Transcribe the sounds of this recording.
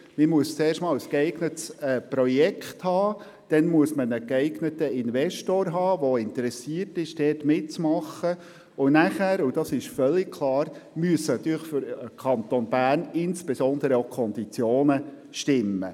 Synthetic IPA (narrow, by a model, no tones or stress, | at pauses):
mɪmuəst͡sɛːrʃtmɑːlskɛɪɡnətsɛpɾɔjɛkχthɑː | d̥ɛnmuəsmənəkɛɪɡnətəɪnvɛʃtoːɾɦɑːʋoɪntəɾɛsiərtɪʃd̥ɛːtmɪtt͡smɑχːə | ʊnæχæːɾʊd̥ɑsɪʃfœlːɪk̚kʰlɑːɾmyəsːənɑt̪ːyːɾləχføɾkʰɑnt̪ɔnb̥æːrnɪnsb̥esɔnd̪əɾəokʰχɔndit͡sjoːnə | ʃtɪmːə̰